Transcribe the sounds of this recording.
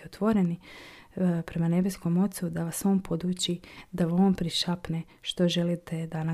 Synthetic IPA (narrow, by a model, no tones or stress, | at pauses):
ot̪ʋo̞ɾeni | pɾe̞mane̞besko̞mo̞t̪sud̪aʋaso̞ːnpʰod̪uːt͡ɕid̪aʋaoːnpɾiʃapne | ʃt̪o̞ʒe̞lit̪e̞d̪ana